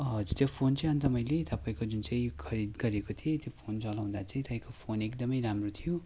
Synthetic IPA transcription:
ɦʌd͡zurt̪jopʰont͡saĩʌnt̪ʌmʌjlet̪ʌpaĩkod͡zunt͡saĩkʰʌɾid̪ɡʌɾekot̪ʰiet̪jopʰont͡sʌlaw̃d̪at͡sʌĩt̪ʌpaĩkopʰonek̚d̪ʌmʌjɾamrot̪ʰijo

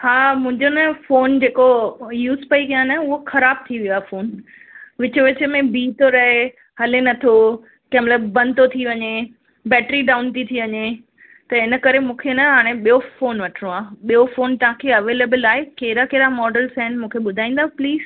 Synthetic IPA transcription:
haːmʊ̃ɦɪ̃ɲd͡ʑonɐfoːnd͡ʑeːkojuːzpɐikijaːnɐʊɦoxɐɾaːb̚t̪ʰiʋijaːfoːn | ʋɪt͡ɕʋɪt͡ɕmẽbiːt̪ʰoɾɐɦe | hɐlenɐt̪ʰo | kɛmləbɐ̃nt̪ot̪ʰiʋɐɲe | bɛːʈɾiɖaːʊnt̪it̪ʰiʋɐɲe | t̪ɐɪnə̆kɐɾemũːkʰenɐɦaːɽ̃eɓijofoːnʋɐʈʰəɽ̃õaːɓijofoːnt̪ɐɦãkʰeɐʋeːleːbəlaːɦekeːɾakeːɾamɔːɖəlsaːnmũːkʰeɓʊd̪ʱaːĩːnd̪aːpliːz̥

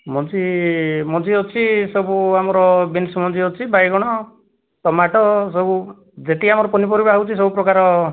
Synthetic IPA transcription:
mɔt͡ʃimɔt͡ʃiɔt͡ʃʰisɔbuamɔɾɔbinsmɔnd͡ʒiɔt͡ʃʰibajɡɔɽ̃ɔ | tɔmaʈʰɔs̬ɔbu | d͡ʒeʈ̪iamɔɾɔpɔnipɔɾibaɦawt͡ʃʰis̬ɔbupɾɔkaɾɔ

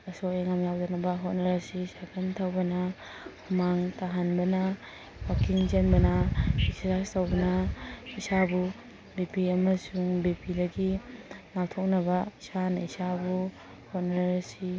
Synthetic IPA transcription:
ɐsoeŋamjawdonɐbɐɦot̚nɐɾɐsisaɡʰantʰawbɐnɐ | hʰumaŋtaɦanbɐnɐ | wakiŋd͡ʒenbɐnɐisɾastowbɐnɐisabu | bipiɐmɐsuŋbipidɐɡiŋatʰok̚nɐbɐisanaisabu | hot̚naɾɐsi

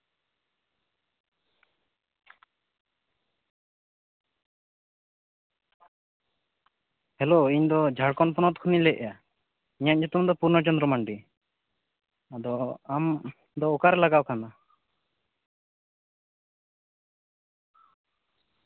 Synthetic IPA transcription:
hɛloiɲd̪ɔd͡ʒʱaɽkɔnpɔnɔt̪kʰɔnilɛʔ̚ja | iɲaɲd͡ʒɔt̪umd̪ɔpuɾnɔt͡ʃɔnd̪ɾɔmaɳɖi | ad̪ɔam | d̪ɔɔkaɾɛlaɡakana

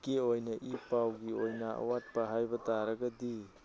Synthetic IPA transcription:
kiojnɐʔipawɡiojnɐɐ̰wat̚pɐɦajbɐtaɾɐɡɐdi

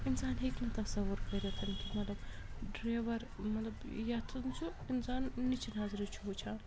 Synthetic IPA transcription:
insaːnɦeknɐt̪ɐsɐwuɾkɐɾet̪ʰɐnkʲimɐt̪lɐb | ɖɾaːʋɐɾ | mɐt̪lɐbjat̪ʰɐnt͡ʃʰu | insaːnːit͡ʃʰinɦaːziɾit͡ʃʰuɦut͡ʃʰaːn

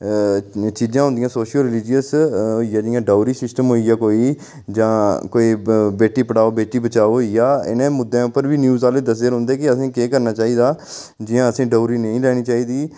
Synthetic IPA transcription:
t͡ʃiːd͡ʒãːɦʊ̃nd̪ijãːsoːʃəlɾɪlɪd͡ʒɪjəsɦoːiːjaːd͡ʒɪjãːɖaːuɾiːsɪsʈəmɦoːijaːkoːiː | d͡ʒãːkoːiːbeːʈiːpəɽaːoːbeːʈiːbət͡ʃaːoijaːɪ̰nẽːmʊd̪ːẽːʊpːəɾʋiːnjuːzaːleːd̪əs̬eːɾɦʊ̃ːnd̪eːkɪəsĩːkeːkəɾnaːt͡ʃaːiːd̪aː | d͡ʒɪjãːəsĩːɖoːɾiːnəĩːlɛːɽ̃iːt͡ʃaːiːd̪iː

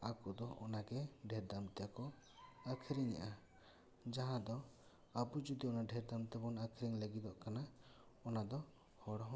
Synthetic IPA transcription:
akɔd̪ɔʔɔnaɡɛɖʱɛɾd̪amt̪ɛjakɔ | akʰeɾiɲa̰ʔa | d͡ʒaɦãd̪ɔ | abud͡ʒɔd̪iɔnaɖʱɛɾd̪amt̪ɛbɔnakʰeɾiŋləɡid̪ɔʔkana | ɔnad̪ɔ | hɔɽɔɦɔ̃

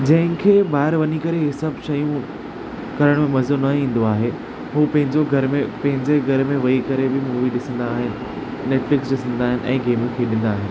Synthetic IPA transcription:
d͡ʑɐ̃ɦɪ̃kʰeːbaːɪɾʋɐɲikɐɾeɦɪsɐbʱʃɐjũ | kɐɾəɽ̃mẽmɐzonɐĩːn̆d̪oaːɦe | ɦuːpɐ̃ɦɪ̃ɲd͡ʑoɡʱɐɾmẽpɐ̃ɦɪ̃ɲd͡ʑeɡʱɐɾmẽʋɐikɐɾebɪmuːʋiɗɪsə̃n̆d̪aːɦɪnɪ̆ | neːʈflɪksɗɪsə̃nd̪aːɦɪnɪ̆ʔɛ̰̃ːɡeːmjũkʰeːɗɪ̃n̆d̪aːɦɪnɪ

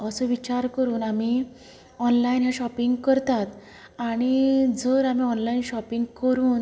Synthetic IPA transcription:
əsɔʋit͡ɕaɾkəɾuːnami | ɔnlainjãɕɔpiŋɡkəɾt̪at̪ | aɽ̃id͡zəɾamiːɔnlainɕɔpiŋɡkəɾuːn

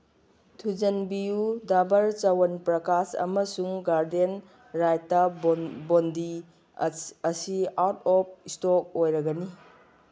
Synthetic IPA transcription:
tʰud͡ʒɐnbijudabɐɾt͡ʃawɐnpɾɐkasɐ̰mɐsuŋɡaɾden | ɾajtːabondi | ɐsiawtɔp̚istok̚ojɾɐɡɐni

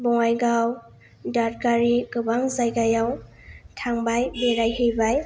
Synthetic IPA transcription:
bɔŋajɡaw | dat̚kaɾiɡɯbaŋzajɡajaw | tʰaŋbajbeɾajhejbaj

